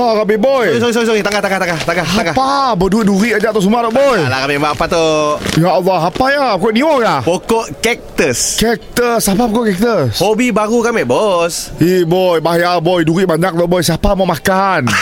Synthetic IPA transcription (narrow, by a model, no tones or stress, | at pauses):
akabibɔjisoɣis̬oɣis̬oɣit̪aŋɡaht̪aŋɡaht̪aŋɡaht̪aŋɡahaaŋɡapabəduiʔduɾiʔad͡ʒaʔt̪ɔʔsumat̪ɔʔbɔjlakamɛʔmbaʔapat̪ojaʔɔlːɔɦapajapɔkɔʔniɔjapokɔʔkɛk̚t̪əskɛk̚t̪əsapapokɔʔkɛk̚t̪əshobibaɣukamɛbɔsibɔjbaɦajabɔjduɾiʔbaɲak̚t̪ɔʔbɔjsapamaʔmakan